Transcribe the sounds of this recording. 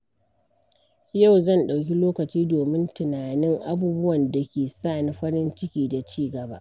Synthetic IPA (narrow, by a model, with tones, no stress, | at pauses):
ja˦˨wzɐ˦˨nɗa˨wkʲi˦loː˦kɐ˨t͡ʃiː˦doː˨mɪ˦ntɪ˨naː˨nɪ˦ŋʔa˦buː˦bʊ˦wɐ˨nda˨kʲeː˨saː˦˨ni˦ɸɐ˦ɽɪ˦nt͡ʃɪ˦kʲiː˦da˨t͡ʃiː˦ɡɐ˨ba̰ː˦ʔʔ